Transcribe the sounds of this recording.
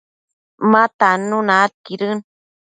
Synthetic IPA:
mat̪anunat̪iɾɨn

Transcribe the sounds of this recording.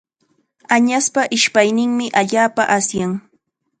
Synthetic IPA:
aɲaspaʔɪʃpajnɪŋmɪʔaʎaːpaʔasjaŋ

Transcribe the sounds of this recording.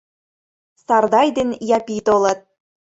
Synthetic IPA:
sɑrd̪ɑjd̪enjɑpʲit̪olɤ̆t̪̚

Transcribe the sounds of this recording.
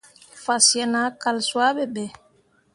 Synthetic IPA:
fasjanakalswaɓɛɓɛ

